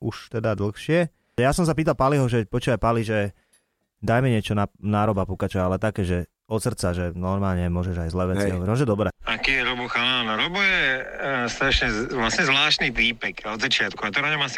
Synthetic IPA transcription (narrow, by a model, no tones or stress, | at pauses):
uʃt̪ɛd̪ad̪l̩xʃɪɛ | jasɔms̬ap̬iːt̪alˠpaliɦɔʒɛpɔt͡ʃuːʋapaliʒɛ | d̪ajmɛɲɪɛt͡ʃɔnanaːɾɔbapukat͡ʃɔalɛt̪akɛːʒɛ | ɔt̪sr̩t͡saʒɛnɔɾmaːlɲɛmʊɔʒɛʒajzlɛːʋɛt͡siɦɔɔɛmɔʒɛd̪ɔbɾɛakiːjɛɾɔbɔxaanɔɾɔbɔjɛst̪ɾaat͡ʃɲɛʋlasɲɛzʋlaːʃt̪nitiːpɛkɔd̪zat͡ʃɪat̪kuat̪ɔɾɔɲɛmas